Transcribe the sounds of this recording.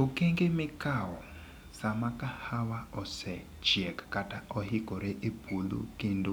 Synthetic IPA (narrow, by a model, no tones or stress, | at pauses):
okeŋɡemɪkaɔ | samakahawaɔsɛ | t͡ʃiɛkakataʔɔhikɔɾeʔebulṵkindo